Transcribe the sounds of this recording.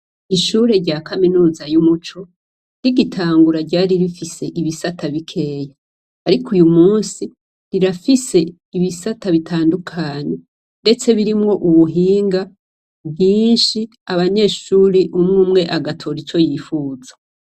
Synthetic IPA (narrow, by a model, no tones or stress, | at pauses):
iʃuːɾe̞ɾɟaːkaminuːzajumut͡ʃo̞ | ɾiɡitʰaːŋɡuɾaɟaːɾiɾifise̞ʔiβisatʰaβikʰe̞ːja | aɾikʰujumuːnsi | ɾiɾafise̞ | iβisataβitʰaːndukʰaːɲe̞ | nde̞t͡se̞βiɾimŋo̞ʔuβuɦiːŋɡa | bjiːnʃi | aβaɲe̞ːʃuːɾeʔumŋuːmŋe̞ʔaɡatʰo̞ɾit͡ʃo̞jiːfuːzḁ